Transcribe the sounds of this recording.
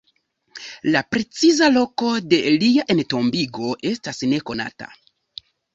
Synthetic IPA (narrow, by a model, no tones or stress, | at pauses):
lapɾe̞t͡sizalo̞ko̞de̞liaʔe̞nto̞mbiɡo̞ʔe̞stasne̞ko̞na̰ta̰